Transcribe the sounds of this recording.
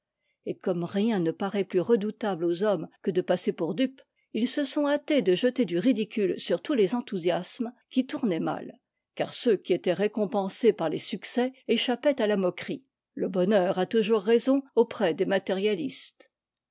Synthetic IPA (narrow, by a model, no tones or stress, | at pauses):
ekɔmʁjɛ̃nəpaʁɛplyʁəd̪ut̪ablozɔmkəd̪əpasepuʁd̪yp | ilsəsɔ̃at̪ed̪əʒət̪ed̪yʁid̪ikʲylsyʁt̪ulezɑ̃t̪uzjasmkʲit̪uʁnɛma̰l | ka̰ʁsøkʲiet̪ɛʁekɔ̃pɑ̃sepaʁlesyksɛeʃapɛt̪alamɔkχi | ləbɔnœːʁat̪uʒuʁːezɔ̃opχɛd̪emat̪ɛʁjalist̪